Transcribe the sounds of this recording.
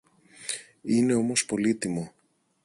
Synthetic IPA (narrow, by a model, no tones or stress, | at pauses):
ine̞o̞mo̞spo̞lit̪imo̞